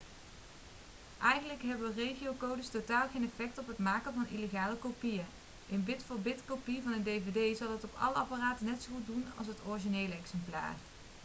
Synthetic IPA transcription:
ʔɛjχənləkɦɛbərejχiowkowdəstotaːlˠχejnɛfɛk̚tɔpɦətmaːkəvɑnʔḭləχaːləkopijə | ʔɪnʋɪtfoːɹbɪtkopiəvɑnəndejvejdejzɑlˠətɔpɑ̰ləɑparaːtənɛtsoχut̚dunɑ̰lˠs̬ɦətɔɹʒinejləɛksɛmpla̰ːr

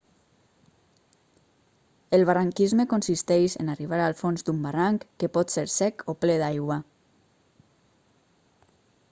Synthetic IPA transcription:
elˠβ̞araŋkizmekonsist̪ɛʃḛnariβ̞aɾalˠfonzd̪umbaraŋkːepɔt̪seɾsɛkopleðajɣwa

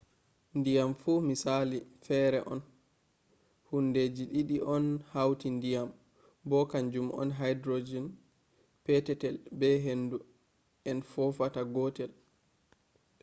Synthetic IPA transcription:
ndijamfumisalifɛɾɛʔɔn | hunded͡ʒiɗiɗiʔɔnhawtindijam | bɔkand͡ʒumʔɔ̰nɦajdɾod͡ʒɛn | pɛtɛtɛlbɛɦendu | ʔɛnfɔfataɡɔtɛl

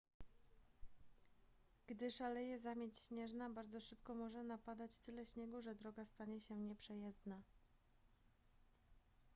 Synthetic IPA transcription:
ɡ̥d̪ɘʂalɛjɛzamʲjet͡ɕɕɲɛʐnabaɾd̪zɔʂɘpkɔmɔʐɛnapad̪at͡ɕt̪ɘlɛɕɲɛɡuʐɛd̪ɾɔɡast̪aɲɛɕɛɲɛpʂɛjɛzd̪na

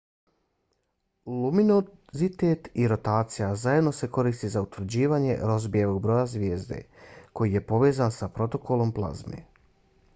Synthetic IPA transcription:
luminozit̪eːt̪iɾo̞t̪aːt̪sijazajed̪no̞se̞ko̞ɾiːst̪izaut̪ʋɾ̩d͡ʑiːʋaːɲe̞̰ɾo̞zbieʋo̞ɡ̚bɾo̞ːjazʋʲjeːzd̪e̞̰ko̞jije̞po̞ʋe̞ːzansapɾo̞t̪o̞ko̞lˠo̞mplˠa̰zmḛ

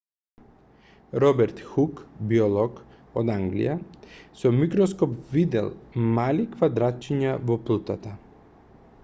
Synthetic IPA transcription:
ɾɔbɛɾt̪xukbiɔlˠɔk | od̪aŋɡlḭjasɔmikɾɔskɔpvid̪ɛ̰lˠmalikvad̪ɾat̪̚t͡ʃiɲavɔplˠut̪at̪a

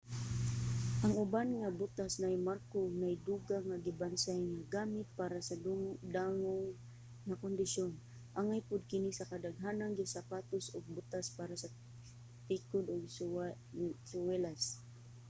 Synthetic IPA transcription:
ʔaŋʊbanŋabʊt̪asnajmaɾkonajd̪uɡaŋaɡɪbansajŋaɡamɪt̪̚paɾasadud̪aŋʊŋː | akond̪ɪʃon | ʔaŋajpʊd̪̚kɪnisakad̪aɡɦanaŋɡɪsapat̪ʊsʊɡ̚bʊt̪aspaɾasa | t̪ikʊd̪ʊɡ̚ | sʊwɛlas

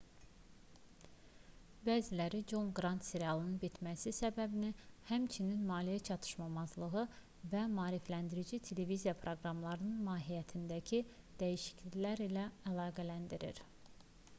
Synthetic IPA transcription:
bæːzilæɾid͡ʒo̞ŋɡɾɑnt̪seɾiɑlˠɯnɯnbit̪ʰmæsisæbæbinihæmt͡ʃʰininmɑːlijæt͡ʃʰɑt̪ʰɯ̥ʃmɑmɑzlˠɯɣɯ | væmɑːɾiflænd̪iɾid͡ʒit̪ʰe̞le̞vizijɑpʰɾo̞ɡɾɑmlˠɑɾɯnɯnmɑːɦijæt̪ʰind̪æcʰi | d̪̥æjiʃi̥cʰlilæɾilæælˠɑːɡælænd̪iɾḭɾ

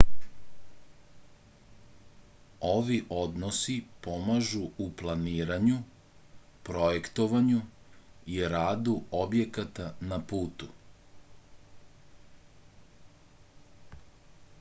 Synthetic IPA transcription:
oʋiʔo̞d̪nosipo̞maʒuuplˠaniːɾaɲu | pɾo̞jekt̪oʋaɲu | iɾaːd̪uobje̞kat̪anapuːt̪u

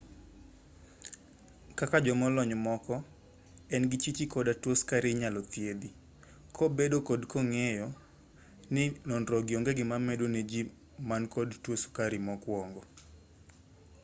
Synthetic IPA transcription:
kakad͡ʒɔmɔlɔɲmɔkɔ | ɛnɡɪt͡ʃit͡ʃikɔdatwoskaɾɪɲalɔt̪jed̪i | kʰobedokɔdkɔŋɛjɔ | nɪnɔnɾɔɡɪɔŋɡeɡɪmamɛdoned͡ʒi | mankɔdtwoskaɾɪmɔkwɔŋɡɔ

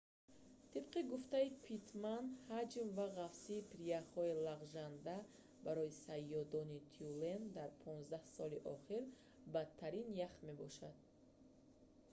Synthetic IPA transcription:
t̪ʰib̚qiɡuft̪aipʰit̪ʰmanhad͡ʒmvaʁafsiːpʰɾiaχɔilaʁʒand̪a | baɾɔjisajːɔd̪ɔnit̪ʰiulend̪aɾpʰɔnzd̪ahsɔliʔɔχiɾ | bat̪ʰːaɾinjaχme̞bɔʃad̪̥̚

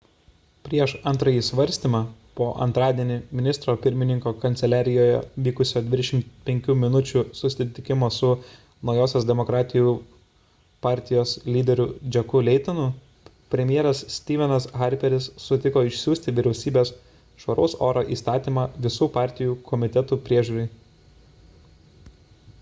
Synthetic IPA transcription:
pʲɾʲiɛʃɐnt̪ɾɐjiːsʋɐɾʲsʲt̪ʲiːmɑːpoːʔɐ̰nt̪ɾɑːd̪ʲiɛnʲɪmʲɪnʲɪst̪ɾoːpʲɪɾʲmʲɪnʲɪŋkoːkɐnʲt̪sʲɛlʲæːɾʲɪjoːjɛ̰ʋʲiːkʊsʲoːd̪ʲʋʲɪd̪ʲɛʃʲɪmt̪pʲɛŋʲkʲuːmʲɪnʊt͡ʃʲusʊsʲɪt̪ʲɪkʲɪmoːsʊ | nɒʊjoːsʲoːsd̪ʲɛmokɾɑːt̪ʲɪjuː | pɑːˑɾʲt̪ʲɪjoːslʲiːd̪ʲɛɾʲʊd͡ʒʲɛkʊlʲɛɪt̪ɐnʊ | pʲɾʲɛmʲɪjeɛɾɐssʲt̪ʲiːʋʲɛnɐsɣɐɾʲpʲɛɾʲɪsːʊt̪ʲɪkoːɪʃʲsʲuːsʲt̪ʲɪʋʲɪɾʲɛʊsʲiːbʲeːs | ʃʋɐɾʔoʊsoːɾoːʔḭːst̪ɑːt̪ʲiːmɑːʋʲɪsuːpɑːˑɾʲt̪ʲɪjuːkʰɔmʲɪt̪ʲɛt̪uːpʲɾʲiɛʒʲuːɾʲɛɪ

